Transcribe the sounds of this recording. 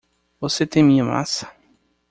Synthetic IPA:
voset̪ẽj̃mĩɲɐma̰sɐ̥

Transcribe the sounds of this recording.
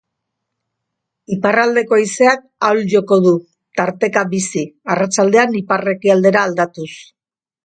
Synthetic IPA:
iparald̪e̞ko̞ise̞ak̚ | awlʝo̞ko̞ðu | t̪aɾt̪e̞kabisiarat͡ʃald̪e̞anipare̞kiald̪e̞ɾaːld̪at̪us

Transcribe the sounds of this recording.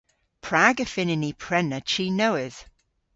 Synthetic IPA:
pʰɹ̥aɡəfɪnɪnipʰɹ̥ɛnət͡ʃʰiːnowɪz̥

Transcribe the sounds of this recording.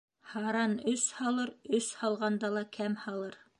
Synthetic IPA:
hɑɾɑnɵshɑlˠɤɾɵshɑlˠʁɑnd̪ɑlˠɑkʰæmhɑlˠɤɾ

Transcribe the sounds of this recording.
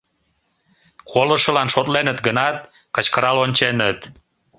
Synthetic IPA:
kʰoləʃə̆lɑnʃot̪lenət̪ɡənɑt̪ | kət͡ɕkəɾɑlonʲt͡ɕenət̪

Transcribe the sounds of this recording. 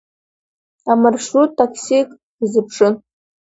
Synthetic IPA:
amarʂutʰːakʰsikʼ | izɨpʰʂɨn

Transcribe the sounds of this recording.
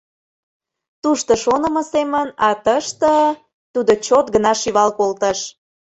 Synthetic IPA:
t̪uʃt̪əʃonə̆mɤ̆semənɑt̪əʃt̪ə | t̪ud̪ot͡ɕot̪ɡənɑʃiβɑlkolt̪əʃ

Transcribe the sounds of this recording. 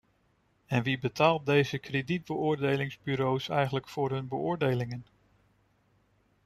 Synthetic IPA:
ɛnʋibətaːlˠt̚dejzəkredid̚bəʊːɹdejlɪŋzbyɾowsɛ̰jχənləkfʊːɹɦɵnbəʊːɹdejlɪŋən

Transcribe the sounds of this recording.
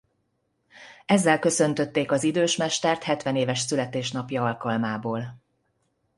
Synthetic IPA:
ɛzːɛlkø̞sø̞nt̪ø̞t̪ːeːkɒzid̪øːʃmɛʃt̪ɛrt̪hɛt̪ʋɛneːvɛʃsylɛt̪eːʃn̪ɒpjɒɒlkɒlmaːboːl

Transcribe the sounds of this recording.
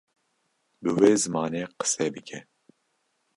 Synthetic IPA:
bɨweːzɨmɑːneːqə̥sɛːbɨkʰɛ

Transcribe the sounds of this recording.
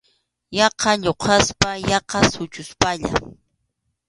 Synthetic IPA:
jɑqʰɑʎoqʰɑspajɑqɑsʊt͡ʃʊspaʎa̰

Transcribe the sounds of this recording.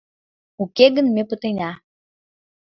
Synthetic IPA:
ukeɣənmepə̆t̪enʲɑ

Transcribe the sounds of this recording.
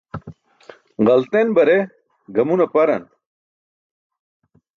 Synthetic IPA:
ʁɐlt̪enbɐɾe | ɡɐmunɐpɐɾɐn

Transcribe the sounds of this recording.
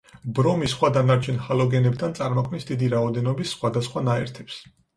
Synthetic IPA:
bɾɔmisχwad̪anaɾt͡ʃʰɛnhalɔɡɛnɛb̚t̪ʰant̪sʼaɾmɔkʰmisd̪id̪iɾaɔd̪ɛnɔbisːχwad̪asχwanaɛɾt̪ʰɛ̥ps

